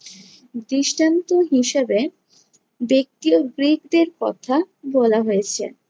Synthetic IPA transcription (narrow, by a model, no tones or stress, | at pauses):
d̪ɾiʃʈant̪oɦiʃebe | bek̚t̪ioɡɾikd̪eɾkɔ̰t̪ʰa | bɔlaɦojet͡ɕʰḛ